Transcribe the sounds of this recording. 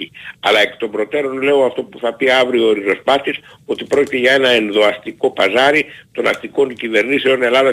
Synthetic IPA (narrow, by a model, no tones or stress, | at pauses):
iɐlɐe̞kt̪o̞mbɾo̞t̪e̞ɾo̞nle̞oɐft̪o̞puθɐpiɐvɾiooɾiɾo̞spɐt̪is | o̞t̪ipɾo̞cit̪e̞ʝɐe̞nɐe̞nðo̞ɐst̪iko̞pɐzɐɾit̪o̞nɐ̰st̪iko̞ncive̞ɾniseo̞ne̞lɐðɐ